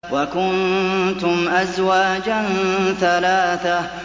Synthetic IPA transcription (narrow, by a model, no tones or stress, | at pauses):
wakʊnt̪ʊmʔazwaːd͡ʒanθalaːθa